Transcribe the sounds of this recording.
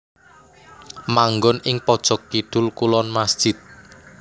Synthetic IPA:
maŋɡʊnɪŋpɔd̥ʒ̥ɔ̤kːiɖ̥ʊlkulɔnmasd̥ʒ̥ɪt̪̚

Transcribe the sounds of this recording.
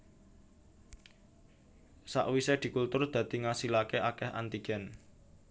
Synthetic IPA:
sa̰ʔwised̪̥i̤kult̪ʊrd̪̥ä̤d̪̥i̤ŋasilakeʔakɛhʔa̰nt̪iɡ̥ɛ̤n

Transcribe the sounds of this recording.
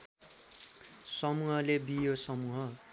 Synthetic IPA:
sʌmuɦʌlebijosʌmuɦʌ

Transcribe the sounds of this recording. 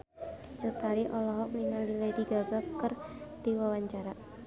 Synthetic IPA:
t͡ʃut̪aɾiʔɔlɔɦɔk̚niŋalilediɡaɡakərd̪̥iwawaɲt͡ʃaɾa

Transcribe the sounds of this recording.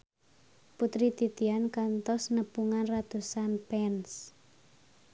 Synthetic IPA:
put̪ɾit̪it̪iankant̪ɔsnəpuŋanrat̪usanpɛns

